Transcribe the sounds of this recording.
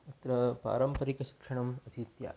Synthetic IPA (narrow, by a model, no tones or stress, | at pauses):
ɐt̪ɾɐpa̰ːɾɐmpɐɾikɐʃi̥kʂɐɳ̃ɐmɐt̪ʰit̪ja̰